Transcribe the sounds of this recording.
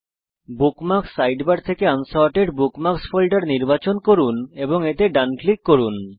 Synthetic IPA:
bukmaksːajɖbaɽt̪ʰekeansaɾʈeɖbukmaksfʰolɖaɾniɾbat͡ɕonkoɾuneboŋet̪eɖanklikːoɾun

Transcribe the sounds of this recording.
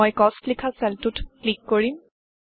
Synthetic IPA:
ɔjkɔstlikʰasɛltutklikːoɹim

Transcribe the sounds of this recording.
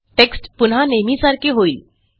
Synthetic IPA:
ʈeksʈpunɦanemisaɾkʰeɦoil

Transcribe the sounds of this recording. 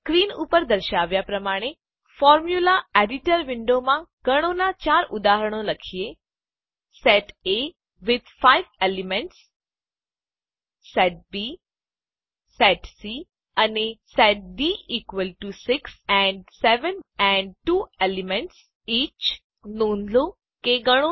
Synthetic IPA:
kɾiːnuːpəɾd̪əɾʃaːʋjapɾɐmaːɽ̃e | fɔːɾmjulaeɖɪʈəɾʋɪ̃ɳɖomãkəɽ̃õnat͡ʃaːɾʔʊd̪aːɦəɾɽ̃õlɐkʰije | sɛʈe | ʋɪd̪faɪʋelimẽɳʈs | sɛʈ̚bi | sɛʈsi | ənisɛʈ̚biiːkʋəlʈusɪksɛ̃ɳɖsɛʋənɛ̃ɳɖ̚ʈuːelimẽɳʈs | iːt͡ʃ | nõːnd̪lo | keɡəɽ̃o

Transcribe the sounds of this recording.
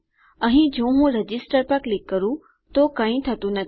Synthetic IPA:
ɐɦĩd͡ʑõːɦũɾɐd͡ʑɪsʈəɾpəklɪkːɐɾũ | t̪okaĩt̪ʰɐt̪unɐt̪

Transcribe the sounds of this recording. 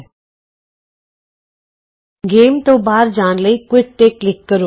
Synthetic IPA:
ɡeːmt̪oːbaːɾd͡ʒaːnləiːkwɪʈ̚ʈ̪eklɪkːəɾu

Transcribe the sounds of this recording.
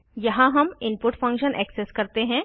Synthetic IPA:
jɐɦãɦɐmɪ̃npʊʈfɐ̃ŋkʃənʔɛ̰ːkseskɐɾt̪eɦɛ̃ː

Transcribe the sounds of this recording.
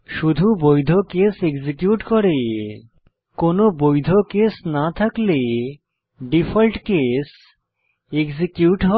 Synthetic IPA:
ʃud̪ʱubojd̪ʱokeseɡzikjuʈkɔɾe | konobojd̪ʱokesnat̪ʰakle | ɖifʰalʈkes | eɡzikjuʈɦɔ

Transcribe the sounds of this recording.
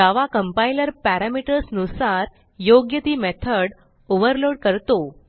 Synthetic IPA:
daʋakəmpajləɾpæɾamiʈəɾsnusaɾ | joɡjət̪iːmɛt̪ʰəɽ | oʋəɾloɽkəɾt̪o

